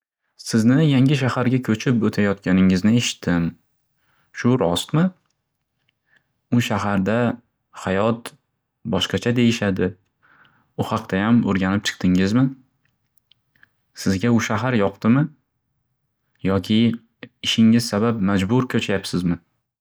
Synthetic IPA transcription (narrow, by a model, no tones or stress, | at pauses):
sɪznɪjaŋʲɪʃ̬ahaɾɡʲakʲʰɵt͡ʃʰɪpot̪ʰajɒt̪̚kʲanɪŋɪznɪe̞ʃɪ̥t̪ʰːɪm | ʃʊɾɒst̪mɪ | ʊʃaɦaɾd̪a | hajɒt̪ | bɒʃqɑt͡ʃʰad̪e̞jɪʃad̪ɪ | ʊhɑqt̪ajamoɾɡʲanɪp̚t͡ʃʰɨ̥qt̪ʰɪŋɪzmɪ | sɪzɡʲaʊʃaɦaɾjɒqt̪ɪmɪ | jɒkʲʰɪ | ɪʃɪŋɪz̥sabapmad͡ʒbʊɾkʰɵt͡ʃʰajapsɪzmɪ